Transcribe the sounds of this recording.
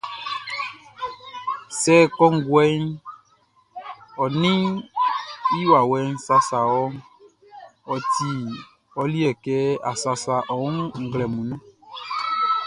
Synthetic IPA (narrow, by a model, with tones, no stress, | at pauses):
sɛː˦kɔ˦ŋ̩˦ɡwɛ˦n | ɔ˨nĩ˦ | i˦wa˨wɛ˨n˦sa˦sa˨wɔ˦ŋ | ɔ˨ti˨ | ɔ˨li˦ɛ˨kɛ˦a˨sa˨sa˨ʔɔ˨ũ˦ŋ̩˨ɡlɛ˨mũ˨nɛ̃˦